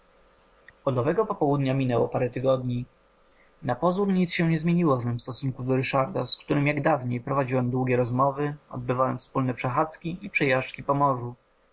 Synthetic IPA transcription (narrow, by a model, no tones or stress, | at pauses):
ɔd̪ɔvɛɡɔpɔpɔwud̪ɲamʲinɛwɔ̰paɾɛt̪ɘɡɔd̪ɲi | napɔzuɾɲit̪sɕɛɲɛzmʲjeɲiwɔvmɘmst̪ɔsuŋkud̪ɔɾɘʂaɾd̪askt̪uɾɘmjaɡd̪avɲejpɾɔvad͡ʑiwɛmd̪wuɡʲɛɾɔzmɔvɘɔ̰d̪̚bɘvawɛmfspulnɛpʂɛxat̪skʲiʔipʂɛjaʂt͡ʂkʲipɔmɔʐu